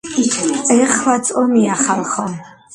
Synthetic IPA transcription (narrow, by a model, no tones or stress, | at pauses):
iχlat͡sʼɔmiaχalχɔ